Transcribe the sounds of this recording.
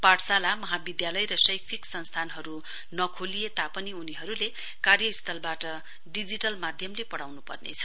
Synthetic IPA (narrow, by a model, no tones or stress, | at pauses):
paʈsalamʌɦabid̪jalʌjrʌsʌjkt͡sʰiksʌnst̪ʰanɦʌɾu | nʌkʰolijet̪apʌniuniɦʌɾule | karjʌist̪ʰʌlbaʈʌ | ɖid͡ziʈʌlmad̪ʱjʌmlepʌɽawnupʌ̰rnḛt͡sʰʌ̥